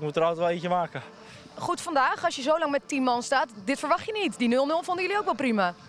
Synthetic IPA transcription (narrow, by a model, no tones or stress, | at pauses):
kmutəɾɔwtʋɛlˠiçəmaːkə | χutfɑndaːxɔsjəzowlɑŋmɛttinmɔnstaːtdɪtfəɹʋɑxtjənitdinølˠnølˠfʊndəjəliowkʋɛlˠprima